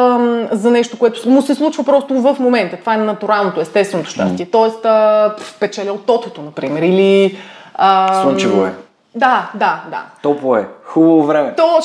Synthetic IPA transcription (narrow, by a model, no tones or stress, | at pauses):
mzɐnɛʃt̪okoɛt̪ʊ̥mʊsɛslˠut͡ʃvɐpɾɔst̪ovɐfmomɛnt̪ɐt̪o̥vaɛnɐt̪uɾalˠnot̪oɛst̪ɛst̪vɛnot̪o̥ʃt̪a̰st̪iɛt̪ɔɛst̪əpɛt͡ʃɛlʲɛot̪ːɔt̪ɛt̪onɐpɾimɛɾili | əslˠut͡ʃivoɛ̰ | d̪ad̪ad̪a̰t̪ɔpoɛ̰xubɐvovɾɛmɛt̪ɔ